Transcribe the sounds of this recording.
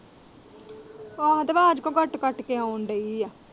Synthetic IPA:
aːɦt̪baːd͡ʒkõːkəʈkəʈkeːãʊɳɖəijaː

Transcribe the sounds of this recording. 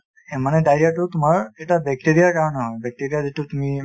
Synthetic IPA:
eməñeɖajɾek̚ʈoɾt̪um̤aɭeʈ̪abɛk̚ʈeɾijakaɾnaɦbɛk̚ʈeɾijad̪it̪ut̪um̤i

